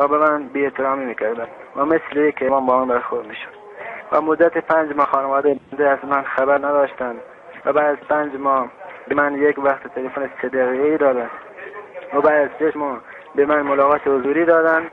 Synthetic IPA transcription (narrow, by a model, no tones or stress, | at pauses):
æbemænbiːet̪ʰeɾɑːmiːmiːkʰæɾd̪ænd̪væmesleiːkʰemɒːnbɒːmænbæɾxoɾd̪miʃo̥d̪ | væmod̪ːæt̪ʰepʰænd͡ʒmɒːxɑːnevɒːd̪ejbænd̪eæzmænxæbæɾnæd̪ɒːʃt̪ænd̪ | væbæːd̪æzpænd͡ʒmɒːbemænjekvæxt̪ʰet̪ʰelefonesed̪æɣiːɣeiːd̪ɒːd̪ænd̪ | væbæːd̪æzt͡ʃeʃmɒː | bemænmolɒːɣɑːt̪ʰehʊzuːɾiːd̪ɒːd̪ænd̪